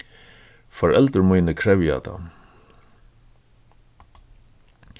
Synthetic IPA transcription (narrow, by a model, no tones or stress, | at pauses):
fɔɹʔɛlt̪əɾmujnəkʰɹɛvja̰t̪ʰa̰